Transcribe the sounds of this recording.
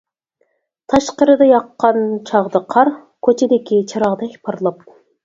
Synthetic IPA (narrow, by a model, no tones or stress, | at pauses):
t̪ʰɑʃqəɾɨd̪ɑjɑqːɑnt͡ʃʰɑʁd̪ɑqʰɑɾ | kʲʰøt͡ʃʰed̪ekʲit͡ʃʰɑɾɑʁd̪ɑkʲpʰɑɾlˠɑp